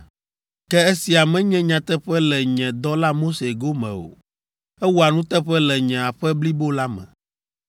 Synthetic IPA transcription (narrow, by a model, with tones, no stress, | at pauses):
kɛ˦e˦si˨a˨mɛ̃˦ɲɛ̃˦ɲã˨t̪ɛ˦ɸɛ˦lɛ˨ɲɛ̃˨d̪ɔ˦la˦mo˦se˨ɡo˦mɛ̰̃˨o̰˨ | ɛ˦wu˦a˨nũ˦t̪ɛ˦ɸɛ˦lɛ˨ɲɛ̃˨a˨ɸɛ˦bli˦bo˦la˦mɛ̰̃˨